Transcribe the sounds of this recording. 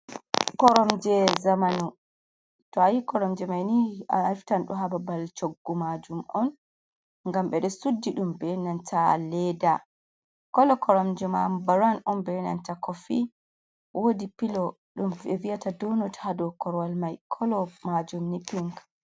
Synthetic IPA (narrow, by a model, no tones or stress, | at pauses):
kɔɾɔmd͡ʒɛzamanu | tɔajikɔɾɔmd͡ʒɛmajniiftanɗɔɦababalt͡ʃoɡːumad͡ʒumɔn | ŋɡamɓɛɗɔsudːiɗumbɛnantʰalɛda | kɔlɔkʰɔɾɔmd͡ʒɛmabaɾanɔnbɛnantakɔfi | wʔodipilɔ | ɗumɛvijatadɔnɔthadɔkɔɾwalmajkʰɔlɔmad͡ʒumnipiŋk